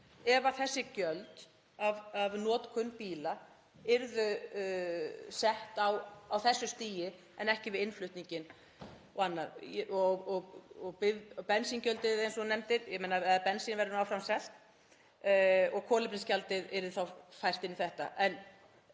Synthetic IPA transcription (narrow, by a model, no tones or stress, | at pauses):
ɛvaθɛsːɪcœlt̪ | avavnɔːt̪kʰʏnːpiːla | ɪɾðʏ | sɛht̪awawθɛsːʏst̪iːjɪ | ɛnɛhcɪvɪðɪnflʏht̪niɲcɪn | wanːaɾɔɣɔɣɔɣpɪpɛnsiŋcœlt̪ɪðejnsɔnɛmt̪ɪðjɛmejnaɛðpɛnsinvɛɾɪnawfɾamsɛl̥t̪ | ɔɣkʰɔːlɪpɾɪnscalt̪ɪðɛɾðɪθawfajr̥t̪ɪnːiθɛht̪a̰ʔɛn